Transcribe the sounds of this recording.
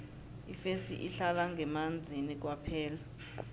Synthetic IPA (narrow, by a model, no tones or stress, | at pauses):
ifesḭʔiɬalaŋɡʱɛmand͡zʱinik̬wapʰɛːla